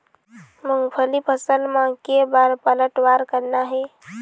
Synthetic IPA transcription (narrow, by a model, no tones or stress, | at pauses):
məŋɡpʰəlipʰəsəlmãkebaɾpələʈʋaɾkəɾnaɦe